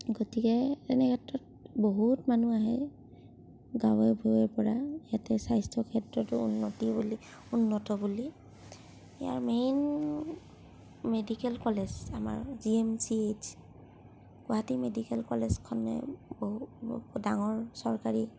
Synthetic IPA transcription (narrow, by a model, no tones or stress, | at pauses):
ɡotikɛtɛnɛkatːɔt̚ | boɦutmanuaɦɛ | ɡawɛbʱuɛɹpɔɹajatɛsajstʰɔkʰɛtɹɔtɔunːɔtibuli | unːɔtɔbuli | ija̰ɹmen | medikɛlkɔlezama̰ɹziemsied͡ʒ | ɡɔatimedikɛlkɔlezkʰɔnːɛ̰boudaŋɔɹsɔɹkaɹi